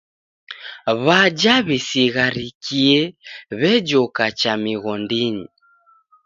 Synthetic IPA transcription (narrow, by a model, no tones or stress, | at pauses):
βad͡ʒaβɛsiɣaɾikʰiɛβɛd͡ʒɔkat͡ʃamiɣɔndiɲi